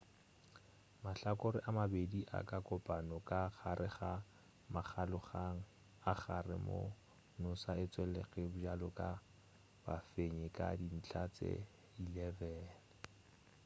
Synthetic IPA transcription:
maɬakʼʊɾɪʔamabediʔa̰kʼakʼɔpʼanɔkʼaχʰaɾʔɪχa | maχʰalʊχaŋ̩ | aχarɪ̰mo̰ | nʊsaɪt͡swɛlɛɣɛbʊd͡ʒalʊkʼa | bafeɲɪkʼa̰din̩t͡ɬʰat͡sʼḛ | ilɛvɛːnɪ

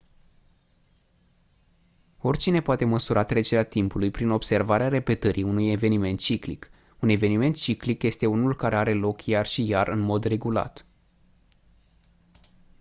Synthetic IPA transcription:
o̞rʲt͡ʃine̞poat̪e̞məsuɾʔat̪ɾe̞t͡ʃe̞ɾeat̪impulujpɾino̞bse̞rvaɾeaɾe̞pe̞t̪əɾʔiunuje̞ve̞nime̞nt̪̚t͡ʃiklik | une̞ve̞nime̞nt̪̚t͡ʃiklikje̞st̪e̞unulkaɾe̞aɾe̞lo̞kjarʃijarʔɨnmo̞d̪re̞ɡula̰t̪

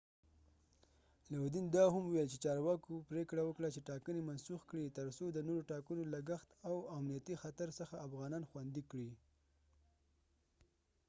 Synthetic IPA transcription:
lawud̪ind̪ɑɦamuwɛlt͡ʃet͡ʃɑɾwɑkopɾekɽawəkɽat͡ʃeʈɑkənemansuxkɽit̪əɾsod̪ənoɾoʈɑkənolaɡaxt̪awamnijat̪ixat̪aɾsəxaːfɣɑnɑnxwand̪ikɽi

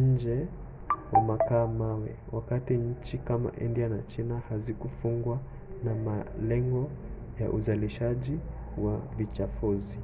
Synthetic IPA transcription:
ɲ̩d͡ʒɛ | wamakaːmawɛwakatiɲ̩t͡ʃikama̰ʔindianat͡ʃinahazikufuŋɡwa | namalɛŋɡɔ | jaʔuzaliʃaʄi | wavit͡ʃafuzi

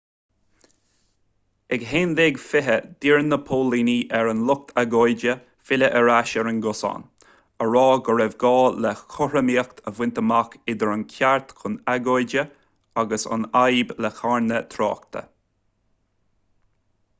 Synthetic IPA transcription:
ɛɡɦeːnd̪eɡfɪɦəd̪̥iɹnəpʰoːliːniʔɛɹənlʊk̚t̪ʰaɡojd͡ʒə | fɪləʔəɹaʃɛɹənɡʊsa̰n | əɹɑːɡəɹɛvɡɑːlɛxʰʊɹəmiːəkt̪ʰəvwɪnt̪əmakɪd̪əɹənkʰaɹt̪kʰʊnaɡojdə | aɡəsə̰najblɛxaɹnət̪ʰɾɑ̰ːk̚t̪ʰə̰

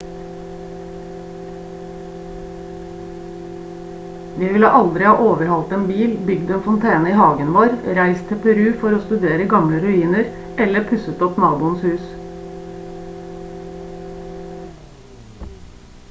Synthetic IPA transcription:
ʋiːʋɪlə̰ʔɑld̪ɾɪhɑːʔoːʋəɾhɑlt̪eːnbiːlbʏɡd̪eːnfɔnt̪ʰeːnəiːhɑːɡənʋoːɾɾæɪst̪ʰɛpʰɛɾʉːfɔɾoːst̪ʉd̪eːɾəɡɑmləɾʉiːnəɾɛləpʰʉsət̪ɔpnɑːbʊːənshʉːs

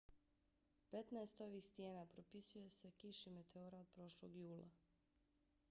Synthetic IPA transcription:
pe̞t̪naest̪o̞ʋiːxst̪je̞ːnapɾo̞pisuje̞se̞kiʃime̞t̪eoɾaod̪̚pɾo̞ʃloɡjuːlˠa̰

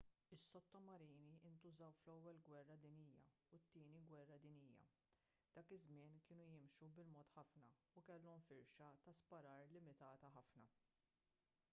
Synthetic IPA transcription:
ɪsːɔt̪ːɔmɐɾiːniʔɪnt̪ʊzɐwflɛwːɛlɡwɛrːɐd̪ɪniːjɐ̰ | ut̪ːɪːniɡwɛrːɐd̪ɪnijːɐ̰ | d̪̥ɐːkɪzmɪːnkɪːnujɪmʃubɪlmɔːt̪ħɐfnɐ | ukɛlːɔmfɪɾʃɐt̪ɐspɐɾɐːɾlɪmɪt̪ɐːt̪ɐħɐfnɐ

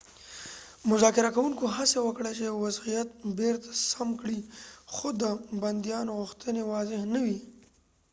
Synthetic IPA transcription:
mʊzɑkɪɾakawuŋkoɦasewəkɽet͡ʃewazijat̪̚beɾt̪ḁsamkɽixod̪əband̪ijɑnoɣʊxt̪ənewɑzɪɦnawi

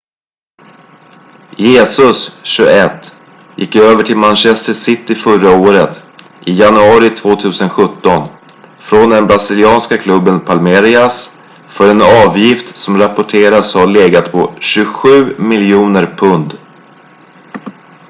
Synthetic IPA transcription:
jeːsɵsɕɵɡɛt̪ː | jɪ̰kːøːvəʈʰɪlmanɕɛst̪əsɪt̪ːɪfœɾaoːɾət̪ | ʔɪjanɵɑːɾɪt̪ʰvoːt̪ʰʉ̟ːsənɧɵt̪ːɔn | fɾɔnd̪ɛnbɾasɪlɪɑːnskakʰlɵbːənpʰalmeɾɪas | fœɾɛnɑːvjɪft̪sɔmɾapɔʈʰeːɾashaɭeːɡat̪pʰɔɕɵɧʉ̟ːmɪljuːnəɾpʰɵnd̪

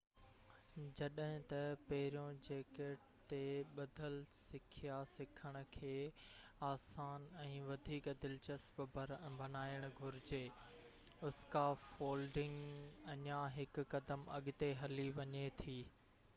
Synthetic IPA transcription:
d͡ʑɐɗɦɪ̃t̪ɐpɐɦɪɾijõd͡ʑeːkeʈ | t̪eɓɐd̪ʱəlsɪkʰijasɪkʰəɽ̃ʊ̆kʰeːaːsaːnɛ̃ːʋɐd̪ʱiːkd̪ɪlt͡ɕəsbbɐnaːɪəɽ̃ʊɡʱʊɾɪd͡ʑeː | ʊskafoːlɖɪ̃ŋɡɐɲaɦɪkːɐd̪əmɐɠʊt̪eɦɐliʋɐɲet̪ʰiː

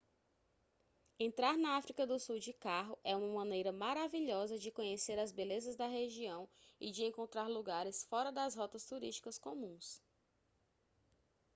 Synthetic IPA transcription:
ẽnt̪ɾaɾnɐafɾikɐd̪ʊsuwd͡ʒɪkaɦʊʔɛũmɐmɐ̃nejɾɐmaɾaviʎɔzɐd͡ʒɪkõɲeseɾɐzbelezɐzd̪ɐɦeʒiɐ̃w̃ɪ̰d͡ʒɪẽŋkõnt̪ɾaɾluɡaɾɪsfɔɾɐd̪ɐzɦɔt̪ɐst̪uɾiʃt͡ʃi̥kɐskõmũs

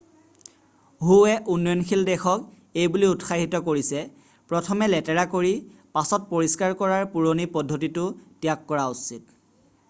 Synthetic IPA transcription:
ɦuɛʔunːɔjɔnkʰildɛxɔk | ejbuliutxaɦitɔkoɹisɛ | pɹɔtʰɔmɛlɛtɛɹakoɹipasɔt̚poɹiskaɹkɔɹaɹpuɹonipɔdʱːotitʊtijakːɔɹausit̚

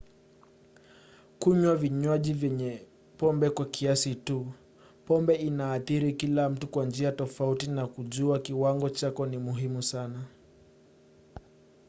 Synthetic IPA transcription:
kuɲwaviɲwaʄivjɛɲɛ | pɔmbɛkwakʰiasitu | pɔmbɛinaːθiɾikilam̩tukwand͡ʒiatɔfautinakuʄuakiwaŋɡɔt͡ʃakɔnimuɦimusana

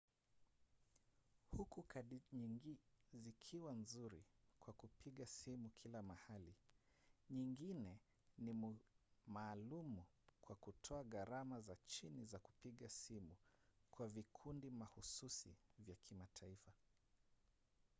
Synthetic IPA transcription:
hukukaɗi | zikʰiwanzuɾikwakupiɠasimukʰilamahali | ɲiŋɡinɛ | nimumaːlumu | kwakutʰɔaɣaɾamazat͡ʃinizaku̥piɠasimukwavikʰundimahususḭvjakʰimatʰaifa

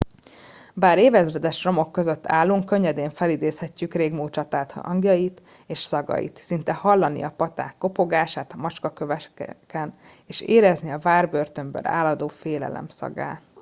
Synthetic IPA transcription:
baːɾeːvɛzvɛd̪ɛʃro̞mo̞kːø̞zø̞t̪ːaːlːuŋkːøɲːɛd̪eːɱfɛlid̪eːshɛcːykreːɡmuːt͡ʃɒt̪aːt̪ɒ̰ŋɡjɒjit̪ | eːʃsɒɡɒ̰jḭt̪sint̪ɛhɒlːɒnḭɒpɒt̪a̰ːkːo̞po̞ɡaːʃaːt̪ɒmɒt͡ʃkɒkøvɛkɛn | eːʃeːɾɛzniɒvaːrbørt̪ømbø̰ɾa̰ːlɒd̪oːfeːlɛ̰lɛ̰msɒ̰ɡa̰ː

